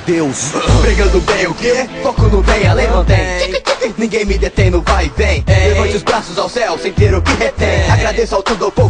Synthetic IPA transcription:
d̪ewsbɾiɡɐ̃d̪ʊbẽj̃ʊkɪɛfɔkũnʊ̃d̪ẽj̃alẽjnɐ̃w̃t̪ẽj̃ĩekkenĩɡẽj̃mɪd̪et̪ẽj̃nʊpajvẽj̃d̪eɐ̃t͡ʃɪʊzbɾasʊzawsɛwsẽj̃t̪eɾʊkɪɦet̪ẽj̃aɡɾad̪esʊawt̪ud̪ʊawpo

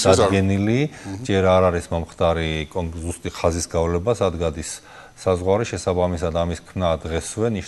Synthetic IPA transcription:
d̪̥ad̪ɡɛnilid͡ʒɛɾaɾaɾismɔmχt̪ʰʼaɾikʼɔzust̪ʼiχazisɡavlɛbasad̪ɡad̪isː | azʁwaɾiʃɛsabamisad̪amiskʰmnad̪ʁɛswɛniʃ

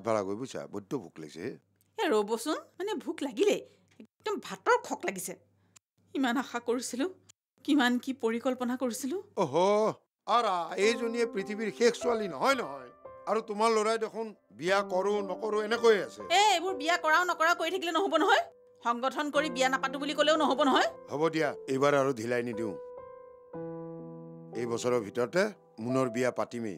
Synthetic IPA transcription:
tbʱa̰ɹa̰ɡo̰jbojsa̰bɔ̰dɔbʱṵkla̰ɡḭsɛ̰ɛ | ɛɹobɔsʊnmanɛbʱuklaɡilɛ | k̚dɔmbʱatɔɹkʰɔklaɡisɛ | imanaxakoɹisilʊ̃ | kimankipoɹikɔlpɔnakoɹisilʊ̃oɦɔ | aɹaejzonijɛpɹitʰibiɹxekʰsualinɔɦɔjnɔɦɔjaɹutʊmaɹloɹajdekʰʊn | bijakɔɹʊnɔkɔɹʊɛnɛkojeasɛ̰ɛejbʊɹbijakɔɹaʊ̃nɔkɔɹaʊkoɹitʰakilɛnɔɦobɔnɔɦɔj | xɔŋɡɔtʰɔnkoɹibijanapatubulikolɛʊnɔɦobɔnɔɦɔjhobɔdijaejbaɹaɹudʱilajnidiʊ̃ | ejbɔsɔɹɔbʱitɔɹɔtɛ | munɔɹbijapatimḛj

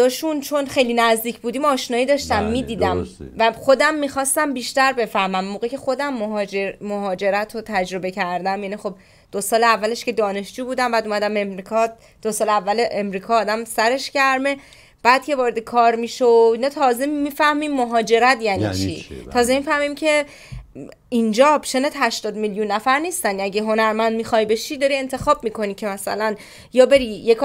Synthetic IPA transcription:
ɒʃunt͡ʃʰo̞nχe̞jlinæzd̪iːcʰbuːd̪iːmɒːʃnɒːiːd̪ɒʃt̪æmːiːd̪iːd̪æmvæxo̞d̪æmːixɒst̪æmbiːʃt̪æɾbe̞fæhmæmːoːɣecʰe̞xo̞d̪æmːoɦd͡ʒemoɦɒːd͡ʒe̞ɾæt̪ʰot̪ʰæd͡ʒɾo̞be̞cʰæɾd̪æmjæːniːxo̞b̚ | d̪̥osɒːleævːæleʃce̞d̪ɒːne̞ʃd͡ʒuːbuːd̪æmbæːd̪uːmæd̪æme̞mɾikʰɒːd̪̚ | d̪̥osɒːleævːæleʔemɾiːkʰɒːd̪æmsæɾe̞ʃcæɾme̞ | b̥æːd̪̥̚kcʰe̞vɒːɾe̞d̪ekʰɒːɾmiːʃoinɒːt̪ʰɒːzemiːfæhmimːoɦɒːd͡ʒe̞ɾæt̪jæːnḭt͡ʃʰit̪ʰɒːzemifæhmimcʰe̞ | ind͡ʒɒːbʃenet̪ɦæʃt̪ɒːd̪miljunːæfæɾniːst̪ænæɟeɦo̞næɾmænd̪̚mixɒjbe̞ʃid̪ɒɾie̞nt̪ʰe̞xɒːb̚miːkʰo̞nicʰe̞mæsæ̰læn | jɒːbe̞ɾijekʰ

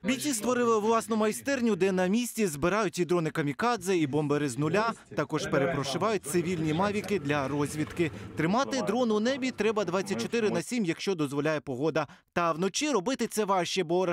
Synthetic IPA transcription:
mʲitʲist̪ʋɔɾɪlˠɪʋlˠɑsnʊmɐjst̪ɛrnʲʊd̪ɛnɐmʲisʲtʲizbɪɾɑjʊtʲid̪ɾɔnɪkɐmʲikɑd̪zɐibɔmbeɾɪznʊlʲat̪ɐkɔʒpeɾepɾɔʃɪʋɑjʊt̚ʲt̪sɪʋʲilʲnʲimɑʋʲikɪd̪lʲɐɾɔzʲʋʲit̪kɪt̪ɾɪmɑt̪ɪd̪ɾɔnʊnɛbʲit̪ɾɛbɐd̪ʋɑt̪t͡sʲːɐt̚ʲt͡ʃːɔt̪ɪɾɪnɐsʲimjɐkʃt͡ʃɔd̪ɔzʋɔlʲajɛpɔɦɔd̪ɐ | t̪ɐwnɔt͡ʃiɾɔbɪt̪ɪt̪sɛʋɑʃt͡ʃɛbɔɾɐ

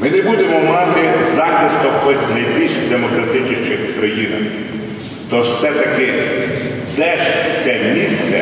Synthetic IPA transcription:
mɪnebud̪emɔmɑt̪ɪzɑxɪst̪ɔxɔt̪ʲnɐjbʲilʲʃd̪emɔkɾɐt̪ɪt͡ʃɪʃt͡ʃɪxkɾɐjinɐ̰ | t̪ɔwsɛt̪ɐkɪ | d̪ɛʃt͡sʲɛmʲisʲt͡sʲɐ̰

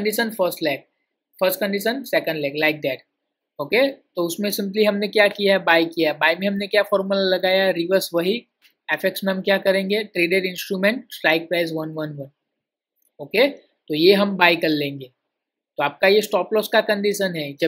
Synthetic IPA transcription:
ɳɖɪʃənfʰəɾsʈlɛːk̚ | fəɾsʈkə̃ɳɖɪʃənsɛkə̃ɳɖlɛːklaɪk̚d̪ɛːʈ | oːket̪oʊsmẽsɪ̃mpliɦɐmnekjaːkijaɦɛbaːɪkijabaːɪmẽɦɐmnekjaːfɔːɾməllɐɡaːjaɾiʋəɾsʋɐɦi | ɛːfeksmẽɦɐmkjakɐɾẽːŋɡeʈɾeːɖeɖɪ̃nsʈɾuːmẽɳʈsʈɾaɪk̚pɛːzʋɐnʋɐnʋɐ̃n | oːke | t̪ojeɦɐ̃mbaːɪkɐɾlẽːŋɡeː | t̪oaːp̚kajesʈɔːplɔːskakɐ̃ɳɖɪʃənɦɛːd͡ʒɐ

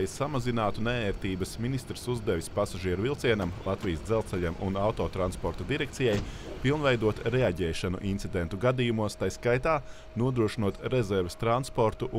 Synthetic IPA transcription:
jsamazinaːt̪unɛɛːɾt̪iːbɐsminist̪ɾɪsuzd̪ɛʋispasaʒiɛɾuvilˠt̪siɛnamlˠat̪vijəsd̪zɛlˠt̪sɛʎamṵnawt̪oːt̪ɾanspɔɾt̪ad̪iɾɛk̚t̪sijaj | pilˠnvɛjd̪uɔt̪ɾɛaɟɛːʃanṵʔint̪sid̪ent̪uɡad̪ijumuɔst̪ajskajt̪aː | nuɔd̪ɾuɔʃinuɔt̪ɾɛzɛɾvest̪ɾanspoɾt̪uʔ

